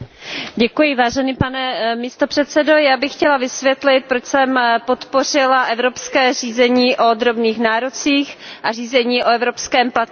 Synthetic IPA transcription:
ɟɛkujɪvaːʒɛniːpanɛmist̪opr̥ɛt̪sɛdojaːbɪxxcɛlavɪsvjɛt̪lɪt̪̚pɾot͡ʃsɛmpo̞t̪po̞r̝ɪlaʔɛvɾopskɛːriːzɛɲiːʔo̞d̪ɾo̞bniːxnaːɾot͡siːxʔariːzɛɲiːʔo̞ɛvɾo̞pskɛːmplat̪

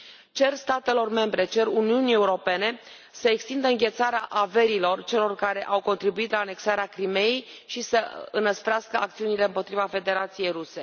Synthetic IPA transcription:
t͡ʃe̞rst̪at̪e̞lo̞rme̞mbɾe̞t͡ʃe̞runiunie̞uɾo̞pe̞ne̞ | səekst̪ind̪əɨŋɡʲe̞t̪saɾeaʔave̞ɾilo̞rt͡ʃe̞lo̞rkaɾe̞ʔawko̞nt̪ɾibuit̪laːne̞ksaɾeakɾime̞jej | ʃisəɨnːəspɾeaskəa̰k̚t̪siunile̞ɨmpo̞t̪ɾivafe̞d̪e̞ɾat̪sije̞jruse̞

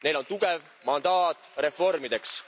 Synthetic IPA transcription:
ne̞jlo̞nt̪uɡe̞v | mɑnd̪ɑːt̪ˑre̞fo̞rmid̪e̞ks

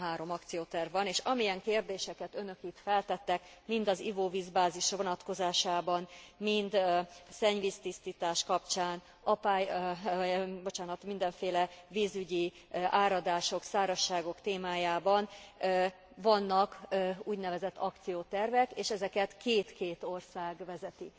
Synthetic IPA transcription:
ɦaːɾo̞mɒkt̪sijoːt̪ɛrvːɒneːʃɒmijɛŋkeːrd̪eːʃɛkɛt̪ø̞nø̞kit̪fɛlt̪ɛt̪ːɛkmind̪ɒzivoːviːzbaːziʃvo̞nɒt̪ko̞zaːʃaːbɒnmind̪sɛɲviːst̪ist̪iːt̪aːʃkɒpt͡ʃaːn | ɒpaːj | bo̞t͡ʃaːnɒt̪mind̪ɛɱfeːlɛviːzyɟi | ʔaːɾɒd̪aːʃo̞ksaːɾɒʃːaːɡo̞kt̪eːmaːjaːbɒn | vɒnːɒkuːɟnɛvɛzɛt̪ːɒkt̪sijoːt̪ɛrvɛkeːʃɛzɛkɛt̪keːt̪keːt̪o̞rsaːɡʋɛzɛt̪i

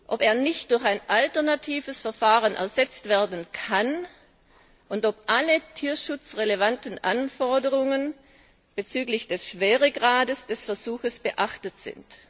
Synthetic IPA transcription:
ʔopeːɐnɪçtd̥ʊɐçaɪnʔaltɐnatʰiːvəsfɛɐfaːʁənʔɛ̰ɐzɛt͡stv̥eːɐdn̩kʰan | ʔʊntop̚ʔalətʰiːɐʃʊt͡sʁelevantn̩ʔanfɔɐdəʁʊŋən | b̥ət͡syːklɪçd̥ɛsʃv̥eːʁəɡʁaːdəsd̥ɛsfɛɐzuːxəsb̥əʔaχtətz̥ɪ̰nt

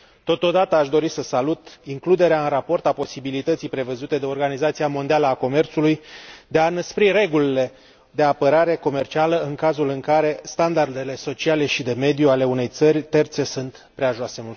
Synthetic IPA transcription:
t̪o̞t̪o̞d̪at̪əaʃd̪o̞ɾisəsalut̪iŋklud̪e̞ɾeaɨnrapo̞rt̪apo̞sibilit̪ət̪sijpɾe̞vəzut̪e̞d̪e̞o̞rɡanizat̪siamo̞nd̪ialəako̞me̞rt̪sulujd̪e̞anəspɾire̞ɡulile̞ | d̪e̞apəɾaɾe̞ko̞me̞rt͡ʃialəɨŋkazulɨŋkaɾe̞st̪and̪ard̪e̞le̞so̞t͡ʃiale̞ʃid̪e̞me̞d̪juale̞une̞jt̪sərʲt̪e̞rt̪se̞sunt̪ | pɾeaʒoasemul

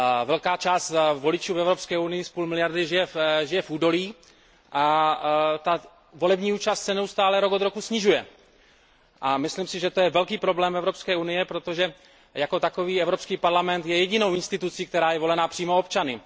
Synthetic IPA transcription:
vɛlkaːt͡ʃaːst̪vo̞lɪt͡ʃuːvɛvɾo̞pskɛːunɪjɪspuːlmɪlɪjaɾdɪʒɪjɛʒɪjɛfuːdo̞liː | ʔa | t̪a | volɛbɲiːuːt͡ʃast̪sɛnɛust̪aːlɛɾo̞kod̪ɾo̞kusɲɪʒujɛ | ʔamɪslimsɪʒɛt̪ojɛvɛlkiːpɾo̞blɛːmɛvɾo̞pskɛːunɪjɛpɾo̞t̪o̞ʒɛ | jako̞t̪ako̞viːɛvɾopskiːpaɾlamɛnt̪jɛjɛɟɪno̞wʔɪnst̪ɪt̪ut͡sik̚t̪ɛɾaːjɛvo̞lɛnapr̥iːmo̞opt͡ʃanɪ

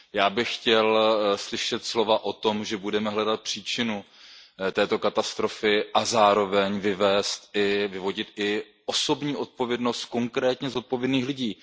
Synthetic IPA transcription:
jaːbɪxxcɛlslɪʃɛt̪slo̞vaʔo̞t̪o̞mʒɛbudɛmɛɦlɛdat̪̚pr̥iːt͡ʃɪnut̪ɛːt̪o̞kat̪ast̪ɾo̞fɪʔazaːɾo̞vɛɲvɪvɛːst̪ɪvɪvo̞ɟɪt̪ɪ | ʔo̞so̞bɲiːʔo̞t̪̚po̞vjɛdno̞st̪̚ko̞ŋkɾɛːt̪ɲɛzo̞t̪̚povjɛdniːxlɪɟiː

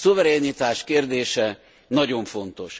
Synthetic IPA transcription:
suvɛɾɛnit̪aːʃkeːrd̪eːʃɛ | nɒɟo̞ɱfo̞nt̪o̞̰ʃ

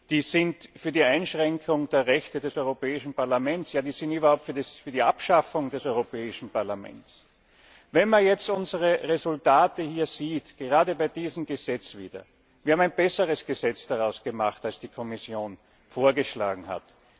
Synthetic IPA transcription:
d̥iːzɪntfyːɐdiːaɪnʃʁɛŋkʰʊŋd̥eːɐʁɛçtədɛsɔʏʁopɛːɪʃn̩paɐlamɛntsjaːd̥iːzɪntyːbɐhaʊp̚tfyːɐdisfyɐdiʔapʃafʊŋd̥ɛsɔʏʁopɛːɪʃn̩paɐlamɛ̰nts | vɛnmanjɛt͡stʔʊnzəʁəʁezʊltaːtəhiːɐz̥iːtɡ̥əʁaːdəbaɪdiːzəm̩ɡəzɛt͡sv̥ḭːdɐ̰ | v̥iːɐabmæɪnbɛsəʁəsɡ̥əzɛt͡sd̥aʁaʊsɡ̥əmaχtalsd̥iːkʰɔmɪsjoːn | foːɐɡəʃla̰ːɡŋ̩ha̰t

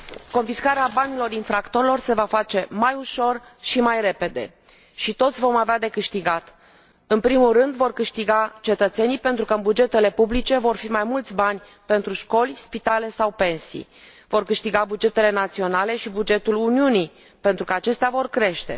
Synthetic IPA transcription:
ko̞nfiskaɾeabanilo̞rinfɾakt̪o̞ɾelo̞rse̞vafat͡ʃe̞majuʃo̞rʃimajre̞pe̞d̪e̞̰ | ʃit̪o̞t̪sʲvo̞mavead̪e̞kɨʃt̪iɡat̪ | ɨnpɾimulrɨnd̪vo̞rkɨʃt̪iɡat͡ʃe̞t̪ət̪se̞nijpe̞nt̪ɾukəɨnbud͡ʒe̞t̪e̞le̞publit͡ʃe̞vo̞rfimajmult̪sʲbanʲ | pe̞nt̪ɾuʃko̞lʲspit̪ale̞sawpe̞nsḭ | vo̞rkɨʃt̪iɡabud͡ʒe̞t̪e̞le̞nat̪sio̞nale̞ʃibud͡ʒe̞t̪uluniuni | pe̞nt̪ɾukəat͡ʃe̞st̪eavo̞rkɾe̞ʃt̪e̞̰

